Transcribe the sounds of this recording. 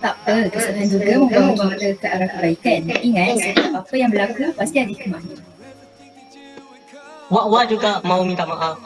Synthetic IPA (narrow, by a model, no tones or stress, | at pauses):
t̪aʔpəkəsənaɦand͡ʒuɡamuɡamũbaŋatəkaʔaɾahkəbaikanaʔiŋãʔsapapəjaŋbəlakəpast̪iadikəmahnə | waʔwad͡ʒuɡaʔmãumint̪aʔmaʔaf